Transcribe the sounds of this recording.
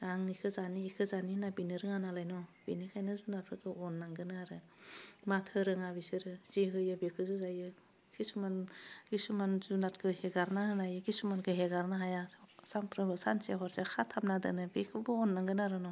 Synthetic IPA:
aŋikʰɯzaniːkʰɯzaninabinɯɾɯŋanalajnɔb̥inikʰajnɯzunap̚ʰɾɯkʰɯɔnːaŋɡɯnɯaɾɯ | matʰɯɾɯŋabisɯɾɯz̥iɦɯjɯbekʰɯzuzajɯ | kʰisumanɡisumanzunatkʰɯheɡaɾnaɯnajɯɡisumankʰɯɦeɡaɾnaɦajasaŋpɾɯbɯsa̰nseɦɔɾsekʰatʰap̚nadɯ̰nɯbekʰɯbɯɔnːaŋɡɯnaɾɯnɔ

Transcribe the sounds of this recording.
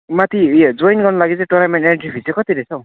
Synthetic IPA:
mat̪ʰid͡zojnɡʌrnʌlaɡit͡sãʈornamenʈeɳʈribʰʱisokʌt̪iɾesʰʌw̃

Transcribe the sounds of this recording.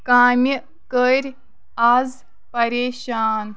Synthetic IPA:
kaːmʲi | kəɾʲ | az | pɐɾeːʃaːn

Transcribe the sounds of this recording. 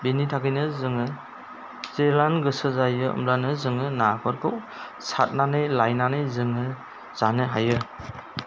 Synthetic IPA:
benitʰakɯjnɯzɯŋɯ | zelanɡɯsɯzajɯɯ̰mɾanɯzɯŋɯnakʰɔɾkʰɯw | sat̚nanɯjlajnanɯjzɯŋɯ | z̥anɯɦajɯ

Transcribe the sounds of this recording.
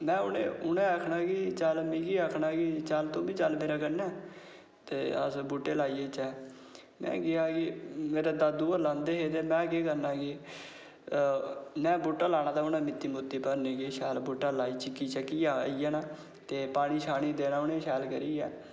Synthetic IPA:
mɛ̃ːʊnḛ̃ːʊnẽːaːkʰnaːkit͡ʃəlmiːkiːaːkʰnaːkit͡ʃəlt̪õːbiːt͡ʃəlmeːɾaːkənɛː | t̪eːə̰sbuːʈeːlaːiːeːt͡ʃɛː | mɛ̰̃ːɡɪaːkɪmeːɾaːd̪aːd̪uːəlãːnd̪eːɦeːt̪eːmɛ̃ːkeːkəɾnaːɡiː | mɛ̃ːbuːʈːaːlaːñaːd̪aːʊnãːmɪt̪ːiːmʊt̪ːiːpəɾnẽːkeːʃɛːlbuːʈːaːlaːiːt͡ʃɪkːiːt͡ʃəkːiːaːiːɛːnaː | t̪eːpaːɽ̃iːʃaːɽ̃iːd̪eːnãːʊnẽːʃɛːlkəɾiːɛ̰ː

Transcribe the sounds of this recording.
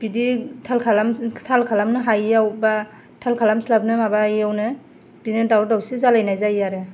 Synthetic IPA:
b̥iditʰalkʰalamtʰalkʰalamnɯɦajawba | tʰalkʰalamslap̚nɯmabajawnɯ | b̥inɯdawɾdawsizalajnajzajaɾɯ

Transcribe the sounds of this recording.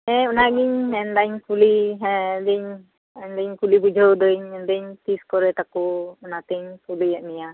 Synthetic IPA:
ɛunaɡiɲɛndaɲkuliɦɛdəɲ | ɛndəɲkulibud͡ʒɔwd̪əɲɛndəɲt̪iskɔɾɛt̪akuunat̪əɲkulijaʔmija

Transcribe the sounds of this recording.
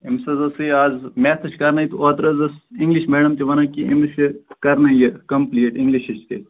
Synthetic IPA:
imsɐzɐsiaːzmʲeːt̪ʰɐt͡ʃʰkɐɾnɐit̪uaːt̪ɾɐzɐsĩŋɡliʃmeːɖɐmt̪eʋɐnɐkiʔḭmskɐɾnɐjɐkɐmpliːʈiŋɡliʃɐt͡ʃʰt̪e

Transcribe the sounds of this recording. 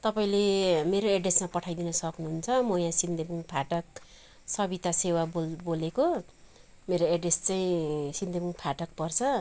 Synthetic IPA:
t̪ʌpaĩlemeɾoeɖresmapʌʈʰajd̪inʌsʌknuɦunt͡sʰʌmojãsind̪ebuŋpʰaʈʌk̚ | sʌbit̪asewaboboleko | meɾoeɖrest͡sajĩsind̪ebuŋpʰaʈʌk̚pʌrt͡sʰʌ

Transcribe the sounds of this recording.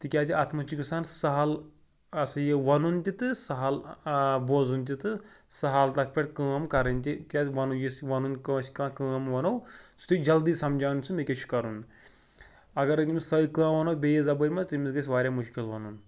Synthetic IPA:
t̪ɨkʲaːt͡sʰiat̪ʰmɐt͡ʃikɨsaːnsɐɦɐl | ɐsɨjeʋɐnunt̪ʲit̪ɨsɐɦɐlboːzunt̪̬ʲit̪ɨsɐɦɐlt̪ɐsʰʲpʲɐʈʲkɨːɐmkɐɾɐnʲt̪ʲikʲaːʋɐnowjisʋɐnunkɐ̃ːsi̥kãːkɨːɐmʋɐnowsu̥t̪id͡ʒɐld̪iːsɐmd͡ʒaːnnʲsɨmekʲet͡ʃʰi̥kɐɾun | ɐɡɐɾɐimisɐikãːʋɐnɐwbʲejezɐbɐmɐst̪ɨmʲisɡɐs̬ʲʋaːɾʲjaːmuʃkʲilʋɐnun

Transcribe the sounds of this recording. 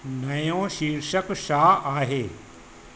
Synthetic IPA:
nɐjõʃiːɾʃəkʃaːaːɦeː

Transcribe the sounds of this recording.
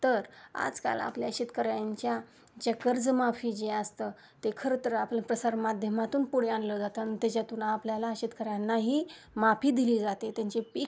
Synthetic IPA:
t̪əɾa̰d͡zka̰la̰pljaɕit̪kəɾajaɲt͡ɕja | d͡ʑəkəɾd͡zmafiːd͡ʑeəst̪ə | t̪ekʰəɾət̪əɾəaplapɾəsaɾmad̪ʱjəmat̪uːnpuɽ̤eãnləd͡zat̪əanit̪at͡ɕat̪uːnaːpljalaɕit̪kəɾjanːaɦiː | mapʰiːd̪iliːd͡zat̪et̪jaɲt͡ɕepi

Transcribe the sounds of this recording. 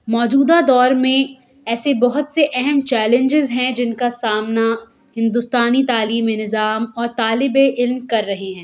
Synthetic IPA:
mɔːd͡ʒuːd̪ad̪ɔːɾmẽ | ɛːsebɐɦʊt̪seʔɛɦɛmt͡ʃɛːlɪ̃ɲd͡ʒɪzɦɛ̃d͡ʒɪnkasaːmna | hɪ̃nd̪ʊst̪aːnit̪aːliːmenɪzaːmɔːɾt̪aːlɪbeʔɪlmkɐɾːɐɦeɦɛ̃ː

